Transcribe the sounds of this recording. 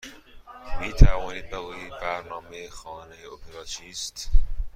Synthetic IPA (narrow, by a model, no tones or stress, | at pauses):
miːt̪ʰævɒːniːbeɡuibæɾnɒːmejexɒːnejeopʰeɾɑːt͡ʃʰiːst̪